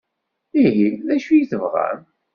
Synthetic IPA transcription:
iɦiðæʃujiθəvʁæ̰m

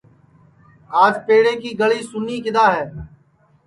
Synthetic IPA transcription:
aːd͡ʒpeːɽẽːkiːɡəɭiːsʊniːkɪd̪aːɦɛː

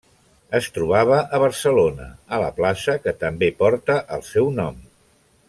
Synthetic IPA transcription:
əst̪ɾuβ̞aβ̞əʔəβ̞əɾsəlonə̰ələ̰plasəkət̪əmbepɔɾt̪əʔəlˠsɛwnɔm

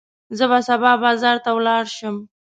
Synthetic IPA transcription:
zəbasabɑbɑzɑɾt̪awlɑɽʃəm

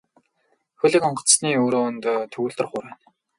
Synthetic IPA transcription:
xɵɮĭːkɔɴɢɞ̆t͡ssniːoːɾoːnt̪ːt̪ʰɵɣuːɮt̪ə̆rχʊːɾæːn

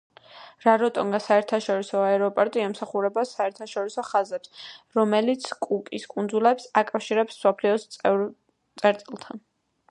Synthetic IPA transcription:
ɾaɾɔt̪ʼɔŋɡasaɛɾt̪ʰaʃɔɾisɔaɛɾɔpʼɔɾt̪ʼiɛmsaχuɾɛbasaɛɾt̪ʰaʃɔɾisɔχazɛpsɾɔmɛlit̪sʰkʼukʼiskʼund̪zulɛpsakʼafʃiɾɛpsmsɔpʰliɔs | t̪sʼɛɾt̪sʼilˠt̪ʰan

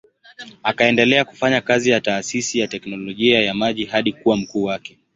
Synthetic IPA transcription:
akaɛndɛlɛaku̥faɲakazijataːsisijatɛknɔlɔʄiajamaʄihaɗikuwam̩kuːwakɛ

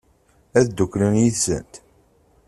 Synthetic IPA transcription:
æðd̪ːukːɾənjiθsə̰nt̪

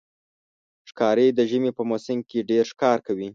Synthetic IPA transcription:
ʃkɑɾed̪əʒəmepəmosɪŋkeɖeɾʃkɑɾkawi

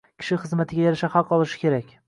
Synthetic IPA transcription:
kʲʰɪ̥ʃɪχɨzmat̪ʰɪɡʲajaɾaʃahɑqɒlˠɪʃɪ̥kʲʰe̞ɾakʲ

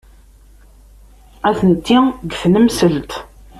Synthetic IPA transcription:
æθənt̪ːiɡθnəmsəlt̪

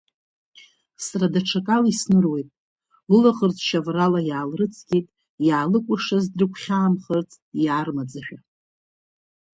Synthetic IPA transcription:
sradaʈ͡ʂʰakʼalisnɨrwe̞jtʼ | lɨlaχərt͡sʰʼʃavralajaːlrɨt͡sʰɡʲijtʼ | jaːlɨkʷʼʊʂazdrɨkʷʰχʲaːmχərt͡sʼjaːrmad͡zɨħᶣa

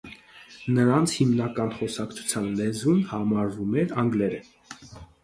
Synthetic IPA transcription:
nəɾɑnt͡sʰhimnɑkɑnχɔsɑkt͡sʰu̥t͡sʰjɑnlɛzunhɑmɑɾvumɛɾɑŋɡlɛɾə

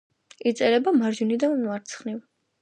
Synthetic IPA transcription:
it̪sʼɛɾɛbamaɾd͡ʒunid̪anaɾt̪sʰχniv

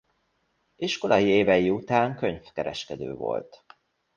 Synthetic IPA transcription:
iʃko̞lɒjieːvɛjiut̪aːŋkø̞ɲfkɛɾɛ̰ʃkɛd̪ø̰ːvo̞̰lt̪

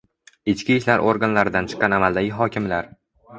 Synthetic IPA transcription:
ɪt͡ʃkʲiʃlaɾʔoɾɡanlaɾɪd̪ant͡ʃʰɨ̥qːɑnamalˠd̪aɡʲɪɦɒkʲɪmlaɾ

